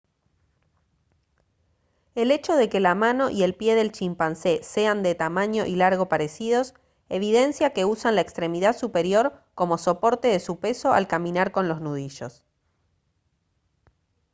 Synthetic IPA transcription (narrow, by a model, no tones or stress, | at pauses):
e̞le̞t͡ʃo̞ð̞e̞ke̞lamano̞ʔie̞lpje̞ðe̞lt͡ʃimpansese̞and̪e̞t̪amaɲo̞ʔilaɾɣo̞paɾe̞siðo̞s | eβ̞iðe̞nsjake̞usanlaekst̪ɾe̞miðaðsupe̞ɾjo̞ɾko̞mo̞so̞po̞ɾt̪e̞ðesupe̞so̞ʔa̰lkamĩnaɾko̞nlo̞znuð̞iʃo̞̰s